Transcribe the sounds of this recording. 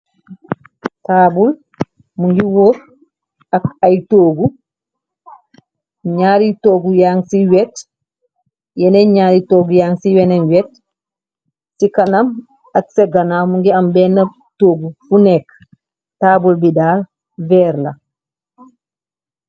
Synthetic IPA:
taːbul | muŋɡiwoɾ | akajtoːɡu | ɲaːɾitoːɡujaŋsiwɛt | jɛnɛɲaɾitoɡujaŋsiwɛnɛnwɛt | ikanam | aksɛɡanamuŋɡiambɛna | toːɡufunɛk | taːbulbidaːl | vɛɾla̰

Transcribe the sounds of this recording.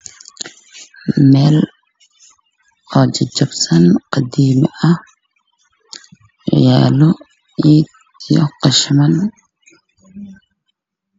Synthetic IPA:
mɛːl | ɔːd͡ʒɐd͡ʒɐbsɐnqɑd̪iːmɪʔɐh | ja̰ːlɔ | iːd̪ | jɔ̰qɑʃɪmɐn

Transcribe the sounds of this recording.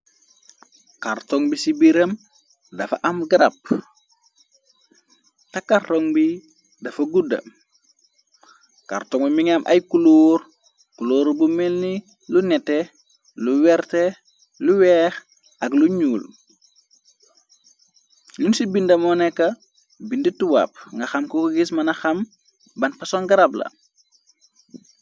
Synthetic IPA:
kaɾtoŋbisibiɾɐm | dɐfɐ̰ʔɐmɡiɾɐp̚ | tɐkartoŋbi | dɐfɐɡudɐ̰ | ka̰ɾtɔŋbimiŋamʔɐ̰jkuloːɾ | kuloːɾbumelni | lunɛtːɛ | luwɛɾtɛ | luwɛːx | ɐkluɲuːl | junsibindɐmɔnɛkːɐ | bindituwa̰p̚ŋɡɐxɐmkukuɡismɐnɐxɐm | bɐnpɐsɔŋɡɐɾaplɐ̰

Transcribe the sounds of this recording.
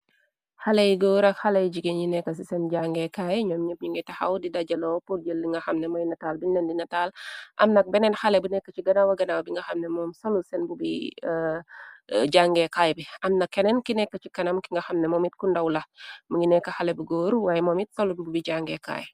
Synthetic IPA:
halejɡoːɾɐkhɐlɐjd͡ʒiɡenɲinɛkːɐs̬isɛnɟaŋɡɛkaːjɲɔːmɲəp̚ɲiŋɡɛtɐxɐ̰wdidɐd͡ʒɐlɔwpuld͡ʒəlːiŋɡɐxɐmnɛmɔjnɐtalbinɛndinɐtalʔɐ̰mnɐk̚bɛnɛnxɐlɛbunɛkːɐt͡ʃiɡɐnawɐɡɐnawbiŋɡɐxɐmnɛmɔːmsɔlusɛnbubḭ | d͡ʒaŋɡɛkajbiɐmnɐkːɛnɛnkinɛkːɐt͡ʃikɐnɐmkiŋɡɐxɐmnɛmɔmit̚kundɐwlɐməŋinɛkːɐxalɛbuɡoːɾwaːjɛmɔːmit̚sɐlububiɟaŋɡɛka̰ːj

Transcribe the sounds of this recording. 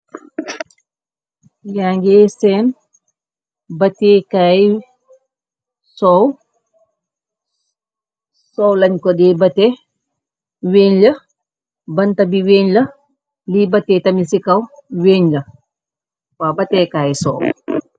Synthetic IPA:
jaːŋɡesɛːn | bɐteːkaːj | sɔw | sɔwlɐɲkɔdeːbɐte | weːnlɐ | bɐntɐbiweːɲlɐ | libɐtːetɐmisikɐwweːɲlɐ | wabɐteːkaːjisɔ̰w

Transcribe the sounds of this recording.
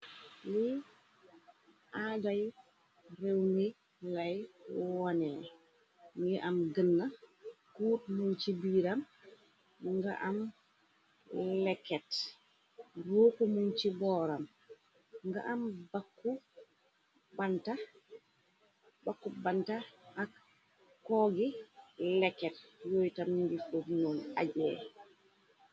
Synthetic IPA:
li | ʔadaj | rewmi | lajwwɔnɛ | mjɛʔamɡənːakuːt̚munt͡ʃibiːɾam | ŋɡa̰ʔam | lɛkːɛt | boːkumuɲt͡ʃibɔːɾam | ŋɡa̰ʔambakːu | banta | bakːubantaak | kːɔɡilɛkːɛt̚joːjtamɲiɡifofnona̰ɟɛ

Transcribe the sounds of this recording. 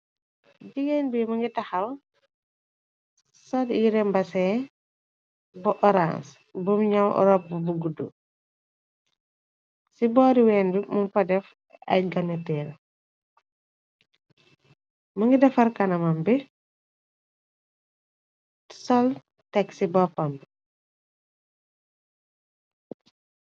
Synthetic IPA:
ɟiɡɛnbimɐŋɡitɐxɐl | sɔljiɾɛmbɐsɛ | bɔʔɔɾa̰ns | bumɲawɔ̰ɾɔp̚bbuɡudṵ | sibɔːɾiwɛːnbimumpɐdɛf | ɐ̰jɡɐnutɛːl | mɐŋɡidɛfɐɾkanɐmambɛ | sɔl | tɛksibɔpamb

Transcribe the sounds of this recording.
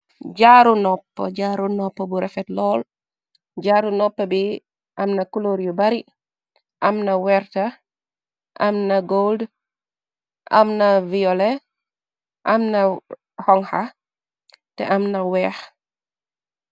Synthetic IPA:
ɟaɾunɔpːɔ̰ɟaːɾunɔpːɔbuɾɛfɛtlɔːl | ɟaːɾunɔpːɐbi | ʔɐmnɐkuloːɾjubɐɾi | ʔɐmnɐwɛrtɐ | ʔɐmnɐɡold | ʔɐ̰mnɐviɔlɛ | ʔɐmnɐ | hɔŋha | tɛ̰ʔɐmnɐwɛːx

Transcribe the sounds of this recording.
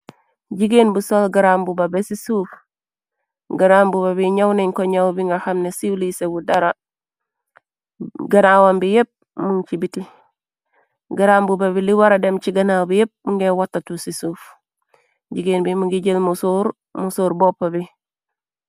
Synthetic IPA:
ɟiɡeːnbusolɡaɾambubabesisuːf | ɡaɾambubabiɲawneɲkoɲawbiŋɡahamnesilisebudaɾa | ɡɐnawambijep̚ | munt͡ʃibiti | ɡaɾaːmbubabiliwaɾademt͡ʃiɡɐnawbijep̚muŋɡewatːatusisuːf | ɟiɡeːnbimuŋɡiɟəlmusuɾ | musoːɾbopːabi

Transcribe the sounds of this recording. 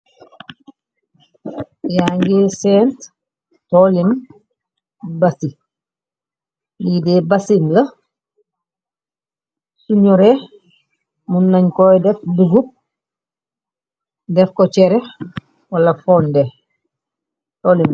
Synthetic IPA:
jaŋɡesɛːnt | tolin | basi | lideːbɐsimlɐ | suɲɔɾe | munːɐɲkojdɛfbuzup̚ | dɛfkɔt͡ʃɛɾɛx | wɐlɐfɔːnde | tolin

